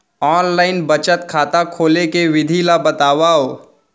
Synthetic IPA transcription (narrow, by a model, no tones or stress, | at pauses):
ɔːnlaːɪnbət͡ʃət̪kʰaːt̪akʰoːlekeʋɪd̪ʱilabɐt̪aːwaːoː